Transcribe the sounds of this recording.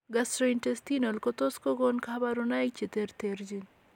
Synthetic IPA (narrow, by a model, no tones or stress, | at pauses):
ɡɐsɾoinʈest̪inolkot̪oskoɡonkʰabaɾunajk̚t͡ʃit̪eɾt̪eɾd͡ʒin